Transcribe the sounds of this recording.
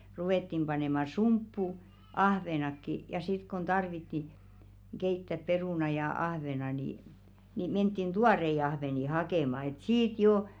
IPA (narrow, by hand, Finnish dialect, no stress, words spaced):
ruʋeˑtːim pɑneˑmɑ sumpːu ɑhʋenɑkːi jɑ sit kon tɑrʋitːi keitːæp peruˑnɑ jɑ ɑhʋenɑ ni ni mentːin tuɑrei ɑhʋeˑni hɑkeˑmɑ et siːt jo